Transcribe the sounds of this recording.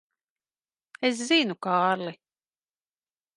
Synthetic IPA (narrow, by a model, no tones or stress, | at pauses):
es̬zinukaːɾli